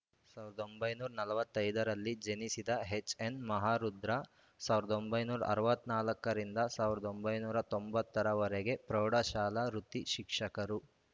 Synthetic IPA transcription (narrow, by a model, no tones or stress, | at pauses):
saːʋiɾɐd̪o̞mbɐjnuːɾɐnɐlɐʋɐt̪ːɐjd̪ɐɾɐlːid͡ʒenisid̪ɐɦet͡ʃːenmɐɦaːɾud̪ɾɐ | saːʋiɾɐd̪o̞mbɐjnuːɾɐ̰ʔɐɾɐʋɐt̪ːnaːlɐkːɐɾind̪ɐsaːʋiɾɐd̪o̞mbɐjnuːɾɐt̪ombɐt̪ːɐɾɐʋɐɾɛɡe̞pɾɐwɽɐʃaːlɐɾut̪iʃikʂɐkɐɾu